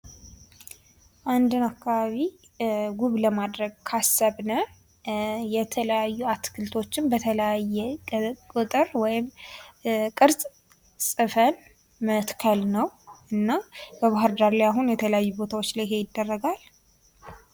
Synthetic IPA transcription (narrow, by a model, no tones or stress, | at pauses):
ʔand̪ɨnakːaβaβi | ɡuβləmad̪ɾəɡ̚kʰasːəβnə | jɛt̪ʰələjajːuat̪kʰɨlt̪ʰo̞t͡ʃːɪnbət̪ʰələjajːɛkʼʊt̪ʼɨɾwɔjɪm | kʼɨɾzʼ | sʼɨfən | mət̪kʰəlnəwʔɨnːabəβaɦaɾd̪aɾlajaɦunjɛt̪ʰələjajːubo̞t̪ʰawot͡ʃːlajɦe̞jɪd̪ːərːəɡal